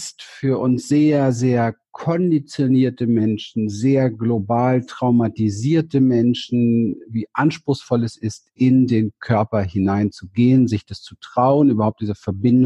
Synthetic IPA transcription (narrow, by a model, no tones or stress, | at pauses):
stfyːɐʔʊnsz̥eːɐzeːɐkʰɔndit͡sjoniːɐtəmɛnʃn̩zeːɐɡlobaːltʁ̥aʊmatiziːɐtəmɛnʃn̩viːʔanʃpʁ̥ʊxsfɔlɛsɪstʔɪndeːnkʰœɐpɐhɪnaɪnt͡suɡeːənzɪçd̥ast͡sutʁ̥aʊənʔyːbɐhaʊp̚td̥iːzəfɛɐbɪnd